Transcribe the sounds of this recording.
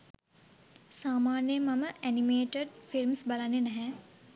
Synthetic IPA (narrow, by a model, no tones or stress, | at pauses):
saːmaːnjəmaməʔænimeːʈəɖfilmsbalanːenæɦɛ